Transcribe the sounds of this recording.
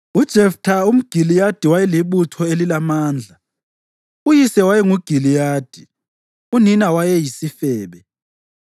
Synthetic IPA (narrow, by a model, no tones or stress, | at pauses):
ud̥ʒ̥ʱɛftʰaum̩ɡ̥ʱilijad̥ʱiwajɛliɓutʰɔelilamaːnd͡ɮʱa | ujisɛwajɛŋuɡ̥ʱilijaːd̥ʱi | uninawajɛjisifɛːɓɛ